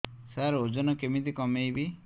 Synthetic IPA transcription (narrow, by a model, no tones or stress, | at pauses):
saɾod͡ʒɔnɔkemit̪ikɔmejbi